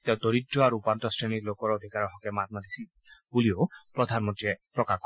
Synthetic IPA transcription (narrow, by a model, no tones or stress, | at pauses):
t̪ew̃d̪oɾidɔaɾuːpantɔsɹeniɾlokɔɾod̪ʱikaɾɔɦɔkɛmat̪̚mad̪isi | buliopɾɔd̪ʱanmɔtiepɹɔka